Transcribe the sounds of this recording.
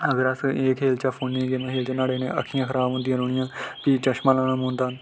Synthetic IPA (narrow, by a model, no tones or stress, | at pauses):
əɡəɾəseːkɦeːlt͡ʃaːpʰoːnniːɡeːmɛ̃ːɦeːlt͡ʃaːnaːɽeːnḛ̃ːə̰kʰːɪjãːkʰəɾaːbɦõːnd̪ijãːnoːɳɪjãːpiːt͡ʃəʃmãːlaːñaːmõːnd̪aːn